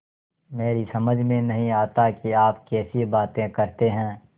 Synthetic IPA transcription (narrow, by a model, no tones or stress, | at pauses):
meːɾisɐməd͡ʒʱmẽnɐɦĩaːt̪akiaːpkɛːsibaːt̪ẽkɐɾt̪eɦɛ̃ː